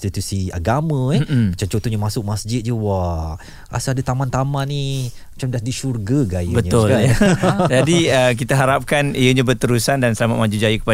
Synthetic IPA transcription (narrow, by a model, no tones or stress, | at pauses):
st̪it̪usia̰ɡamə̃ɛmat͡ʃamt͡ʃont̪oɲamasʊk̚masd͡ʒɪt̪̚d͡ʒəwa | a̰səadat̪amant̪amanːi | mat͡ʃamdadiʃurɡəɡajəbətɲəʊlad͡ʒadiək̬it̪aɦaɾap̚kanijəɲãbərt̪əɾusandansəlamat̪̚mãd͡ʒud͡ʒajəkə̥pa